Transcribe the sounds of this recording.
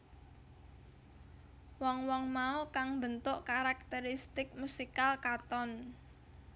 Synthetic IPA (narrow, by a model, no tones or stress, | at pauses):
wɔŋwɔŋmaukaŋbənt̪ʊʔkaɾak̚t̪eɾist̪ɪk̚musikalkat̪ɔn